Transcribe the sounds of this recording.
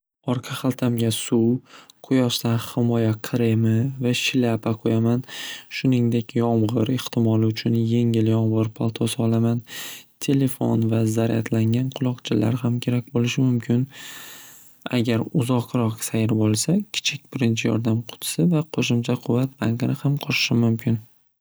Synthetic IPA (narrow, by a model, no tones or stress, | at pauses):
ɒɾqʰɑχalˠt̪ʰamɡʲasuwqʰʊjɒʃt̪anhɪmɒjaqʰɾemɪvaʃɪlapʰaqʰojamanʃʊnɪŋd̪e̞kʲjɒmʁɨɾɪht̪ʰɪmɒlˠɪʊt͡ʃʰʊnje̞ŋɪljɒmʁɨɾpʰalˠt̪ʰosɒlˠamant̪ʰe̞le̞fo̰nvazaɾʔa̰t̪ʰlaŋɡʲanqʰʊlˠɒqt͡ʃʰɪla̰ɾhamkʲʰe̞ɾakʲbolɪʃɪmʊmkʲʰɪn | a̰ɡʲaɾʊzɒqɾɒqsajɪɾbolˠsakʲʰɪ̥t͡ʃʰɪkʲbɪɾɪnt͡ʃʰɪjɒ̰ɾd̪amqʰʊ̥t̪ʰsɪvaqʰoʃʊmt͡ʃʰaqʰʊvːat̪̚b̥aŋkɪnɪhamqʰɒʃɪ̥ʃɪmʊmkʲʰɪn